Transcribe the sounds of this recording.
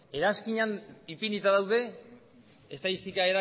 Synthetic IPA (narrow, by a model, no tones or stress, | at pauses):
e̞ɾaskiɲanipinit̪aðawðe̞ | est̪aisikaeɾa